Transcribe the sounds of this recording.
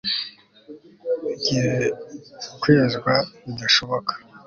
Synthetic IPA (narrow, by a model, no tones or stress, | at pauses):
ɟie | kweːzɡwanid̪aʃoβokʰḁ